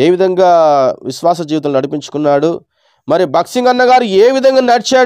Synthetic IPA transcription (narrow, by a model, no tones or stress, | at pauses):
eːʋid̪ʱɐŋɡaːʋiʃʋaːs̬ɐd͡ʒiːʋt̪ɐlunɐɽipiɲt͡ʃu̥kunːaːɽu | mɐɾibʱɐksiŋɡɐnːɐɡaːɾueːʋid̪ʱɐŋɡaːnɐɽit͡ʃaː